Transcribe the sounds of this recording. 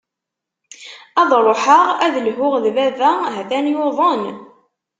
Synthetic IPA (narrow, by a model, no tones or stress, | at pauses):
ɑðˤɾˤoħəʁæðəlɦʊʁðvævæɦæθænjoðˤən